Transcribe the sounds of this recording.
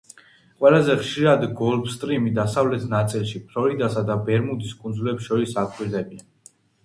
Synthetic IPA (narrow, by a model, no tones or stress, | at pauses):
qʼwɛlazɛχʃiɾad̪ɡɔlbst̪ʼɾimid̪asavlɛt̪ʰnat̪sʼilˠʃipʰɾɔɾid̪asad̪abɛɾmud̪iskʼunzulɛpsʃɔɾisakʼwiɾd̪ɛbian